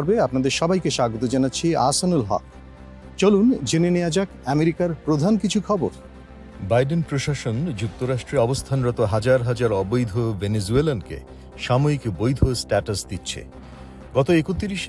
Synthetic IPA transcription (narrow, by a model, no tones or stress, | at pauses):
ɾbeapnad̪eɾʃɔbajkeʃaɡot̪od͡ʑanatːɕʰia̰sanulɦɔ̰k̚ | t͡ɕolund͡ʑenenejad͡ʑakɛmeɾikaɾpɾod̪ʱankit͡ɕʰukʰɔboɾ | bajɖenpɾoʃaʃond͡ʑuk̚t̪oɾaʃʈɾeɔbost̪ʰanɾɔt̪oɦad͡ʑaɾɦad͡ʑaɾɔbojd̪ʱovenezuelankḛ | ʃamoikbojd̪ʱosʈaʈasd̪it̪ːɕʰḛ | ɡɔt̪oekut̪iɾiʃ